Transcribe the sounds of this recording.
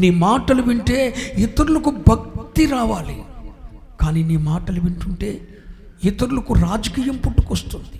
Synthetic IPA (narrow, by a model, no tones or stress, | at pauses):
niːmaːʈɐluʋiɳʈe̞ːɛt̪ɐɾulɐkubʱɐk̚t̪iɾaːʋaːli | kaːniːniːmaːʈɐlɐʋiɳʈuɳʈe̞ː | ɛt̪ɐɾulɐkuɾaːd͡ʒɐkiːjɐmpuʈːu̥kɐst̪und̪i̥